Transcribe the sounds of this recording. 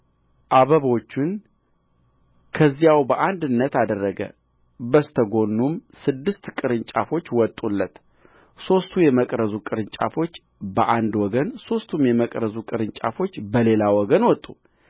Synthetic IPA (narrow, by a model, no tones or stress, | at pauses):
ʔaβəβot͡ʃːun | kʰəzːijawbəʔand̪ɨnːət̪ad̪ərːəɡə̰ | bəst̪ʰəɡo̞nːumsɨd̪ːɨst̪kʼɨɾɨɲt͡ʃʼa̰fo̞t͡ʃːwɔt̪ʼulːət̪ | so̞st̪ʰujɛməkʼɾəzukʼɨɾɨnt͡ʃʼa̰fo̞t͡ʃː | bəʔand̪wɔɡənso̞st̪ʰumjɛməkʼɾəzukʼɨɾɨɲt͡ʃʼa̰fo̞t͡ʃːbəle̞lawɔɡənwɔt̪ʼːu